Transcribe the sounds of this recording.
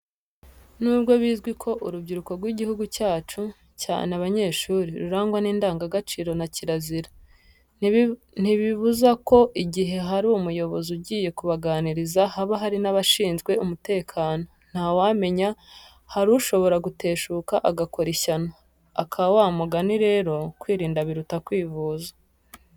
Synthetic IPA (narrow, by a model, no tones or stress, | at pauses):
nubɡo̞βiːzɡwikʰo̞ʔuɾubɟiɾuko̞ɾɡwiɟihuɡucaːt͡ʃu | ca̰ːneaβaɲe̞ːʃuːɾiɾuɾaːŋɡwaniːndaːŋɡaɡat͡ʃiːɾo̞naciɾaziɾa | n̥iβiβuzako̞ʔiɟiɦe̞ɦaɾiumujo̞βo̞zuɟiːje̞kuβaɡaːniɾizahaβaɦaɾinaβaʃiːnzɡwe̞umute̞ːkʰaːno̞n̥hawaːme̞ɲa | haɾuʃo̞βo̞ɾaɡute̞ːʃuːkaʔaɡako̞ɾeçana | a̰kʰawaːmuɡaniɾe̞ːɾo̞kwiːɾiːndaβiɾutakwiːvuːzḁ